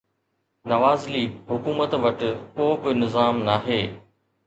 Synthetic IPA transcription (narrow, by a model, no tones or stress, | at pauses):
nɐʋaːzliːɦʊkuːmət̪ʋɐʈkoːbɪnɪzaːmnaːɦeː